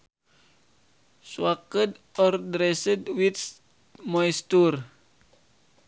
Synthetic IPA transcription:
swakədɔrdɾɛsədwit̪ | mɔjst̪ur

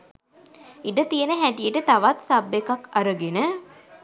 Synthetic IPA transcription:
iɖət̪ijənəɦæʈijəʈət̪aʋat̪sabːekakaɾəɡenə

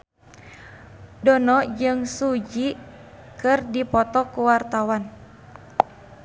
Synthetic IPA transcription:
dɔnɔd͡ʒɨŋsud͡ʒi | kɨrdipɔt̪ɔkuwart̪awan

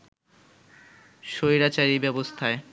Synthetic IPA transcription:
ʃojɾat͡ɕaɾibɛbost̪ʰae

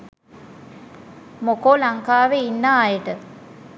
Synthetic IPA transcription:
mokoːlaŋkaːʋeinːaːjəʈə

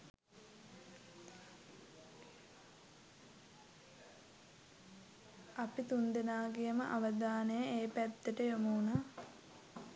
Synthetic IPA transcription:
apit̪und̪enaːɡijəməʔaʋəd̪aːnəjəeːpæd̪ːəʈəjomuːnaː

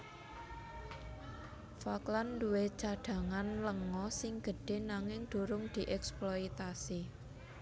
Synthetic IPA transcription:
faklanduwet͡ʃaɖ̥ä̤ŋanləŋɔsɪŋɡ̥ə̤ɖ̥e̤naŋɪŋd̪̥o̤ɾʊŋd̪̥i̤ʔɛksploit̪asi

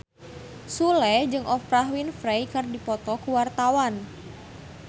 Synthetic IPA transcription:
sulɛd͡ʒɨŋʔɔfpɾaɦwinfɾejkɨrdipɔt̪ɔkuwart̪awan

